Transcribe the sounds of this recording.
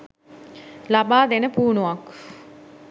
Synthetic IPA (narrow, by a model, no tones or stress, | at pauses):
labaːd̪enəpuːnuʋak